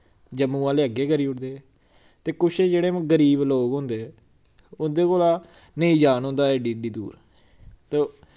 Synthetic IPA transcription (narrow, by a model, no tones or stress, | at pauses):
d͡ʒəmːũːãːleːəɡːeːkəɾiːʊʈd̪eː | t̪eːkʊʃeːd͡ʒeːɽeːm̃ɡəɾiːbloːkɦõːnd̪e | ʊnd̪eːkoːlaː | nəĩːd͡ʒaːnɦõːnd̪aːɛːɖiːɖiːd̪uːɾ | t̪eː